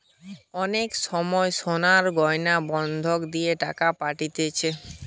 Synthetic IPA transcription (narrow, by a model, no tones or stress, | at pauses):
ɔnekʃɔmɔeʃonaɾɡɔjnabɔnd̪ʱokd̪ieʈa̰kapaʈit̪et͡ɕʰe